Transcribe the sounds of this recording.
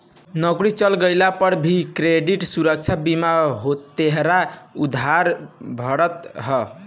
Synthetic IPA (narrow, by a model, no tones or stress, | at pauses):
nʌɡɾit͡ʃʌlɡəjlapʌɾbʱikɾeɖiʈsuɾək̚t͡ʃʰabimaɦot̪ːeɦɾaud̪ʱaɾbʱʌɾət̪ɦʌ